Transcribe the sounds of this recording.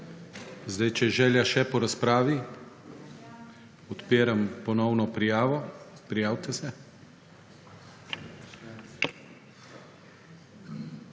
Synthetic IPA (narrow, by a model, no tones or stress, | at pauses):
zd̪ajt͡ʃɛʒɛːljaʃɛpɔɾaspɾaːʋi | ɔt̪peːɾampɔnɔwnɔpɾijaːʋɔpɾijaːwt̪ɛsɛ